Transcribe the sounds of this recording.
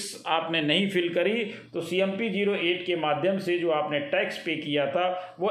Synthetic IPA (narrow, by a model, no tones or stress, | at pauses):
s | aːpnenɐɦĩfɪlkɐɾit̪oːsiːɛmpid͡ʒiːɾoʔeːʈkemaːd̪ʱjəmsed͡ʒoːaːpneʈɛːkspekijat̪ʰaʋo